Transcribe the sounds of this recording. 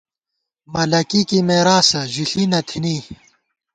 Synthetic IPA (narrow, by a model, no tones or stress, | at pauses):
mɐlɐkikimeːɾaːsɐʑiɬinɐt̪ʰini